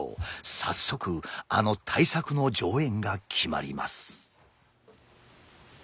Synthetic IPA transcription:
sa̰sːo̞kɯ̟a̰no̞t̪ʰaisakɯ̟no̞d͡ʑo̞ːẽ̞ŋɡakʲʰima̰ɾʲḭma̰sɨ̥

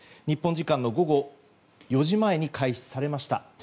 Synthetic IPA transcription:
ɲ̟ipːõɲ̟d͡ʑikãnːo̞ɡo̞ɡo̞ | jo̞ʑimae̞ɲ̟ikʰaiç̥saɾe̞maɕi̥t̪a̰

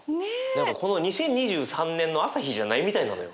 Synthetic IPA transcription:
nenãŋkako̞no̞ɲ̟isẽ̞ɲ̟ːiʑɨːsãnːẽ̞nːo̞asaçiʑanaimʲit̪aina̰no̞jo

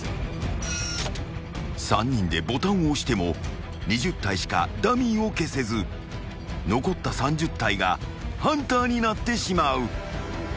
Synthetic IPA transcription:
sãɲ̟ːĩnd̪e̞bo̞t̪ãɰ̃o̞ɕi̥t̪e̞mo̞ | ɲ̟iʑɨt̪ːaiɕi̥ka̰d̪amʲĩɰ̃o̞ke̞se̞zɨ | no̞ko̞t̪ːasãɲ̟d͡ʑɨt̪ːaiɡa̰hãnt̪aːɲ̟inat̪ːe̞ɕimaɯ̟

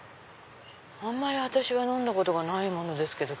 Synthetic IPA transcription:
ãmːaɾʲiβat̪aɕiβanõ̞nd̪ako̞t̪o̞ɡanaimo̞no̞d̪e̞sɨ̥ke̞d̪o̞

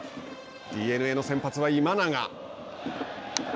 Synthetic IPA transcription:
d̪̥ʲiːe̞nɯ̟e̞ːno̞sẽ̞mpat͡sɨβaimanaŋa

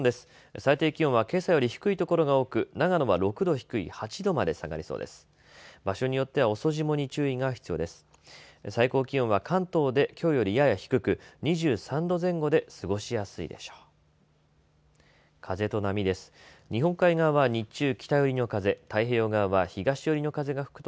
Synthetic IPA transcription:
d̪e̞sɨ̥ | sait̪e̞ːkʲiõβake̞ːsajo̞ɾʲiçi̥kɯ̟it̪o̞ko̞ɾo̞ɡao̞ːkɯ̟naɡano̞βaɾo̞kɯ̟d̪o̞çi̥kɯ̟ḭhat͡ɕid̪o̞mad̪e̞saɡa̰ɾʲiso̞̰ːd̪e̞̰sɨ̥ | baɕo̞ɲ̟ijo̞t̪ːe̞βao̞so̞ʑimo̞ɲ̟it͡ɕɨːiŋaçi̥t͡sɨjo̞ːd̪e̞sɨ̥ | saiko̞ːkʲiõ̞ɰ̃β̞akʰãnt̪o̞ːd̪e̞kʲo̞ːjo̞ɾʲijajaçi̥kɯ̟kɯ̟ɲ̟iʑɨːsãnd̪o̞zẽ̞ŋɡo̞d̪e̞sɨɡo̞ɕijasɨḭd̪e̞̰ɕo̥ː | kʰaze̞t̪o̞namʲid̪e̞sɨ̥ | ɲ̟iɦõ̞ŋkaiɡaβaɲ̟it͡ɕɨːkʲi̥t̪ajo̞ɾʲino̞kaze̞t̪aiɦe̞ːo̞ːɡaβaçiɡaɕijo̞ɾʲino̞kaze̞ɡaɸɯ̥kɯ̟̥t̪o

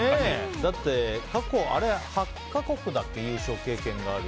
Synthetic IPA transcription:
ed̪at̪ːe̞kako̞a̰ɾe̞ha | kːako̞kɯ̟d̪akːe̞jɯ̟ːɕo̞ːke̞ːkẽ̞ŋɡaːɾɯ

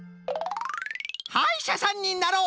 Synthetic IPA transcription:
haiɕasãɲ̟ːinaɾoː

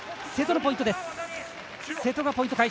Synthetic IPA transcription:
set̪o̞nop̬o̞ĩnt̪o̞d̪esɨ̥ | se̞t̪o̞ɡapoĩt̪okai

